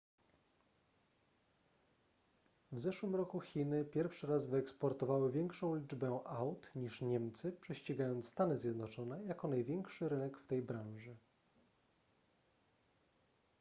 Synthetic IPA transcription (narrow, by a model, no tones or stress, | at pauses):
vzɛʂwɘmɾɔkuxʲinɘpʲjɛɾfʂɘɾazvɘɛkspɔɾt̪ɔvawɘvʲjɛŋkʂɔ̃w̃lʲid͡ʐbɛʔawt̪ɲiʂɲɛmt̪sɘpʂɛɕt͡ɕiɡajɔnt̪sst̪anɘzʲjɛd̪nɔt͡ʂɔnɛjakɔnajvʲjɛŋkʂɘɾɘnɛkft̪ɛjbɾãʐɘ